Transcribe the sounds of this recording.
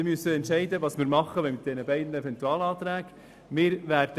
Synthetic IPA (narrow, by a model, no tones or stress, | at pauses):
mysːəɛntʃɛɪd̪əʋɑːsmɪːɾmɑχːəʋɛmɪt̪̚d̥ɛnəbɛɪd̪n̩ɛvɛnt̪uɑːlɑːt̪ɾæːɡ̥ | mɪːɾʋæːɾd̥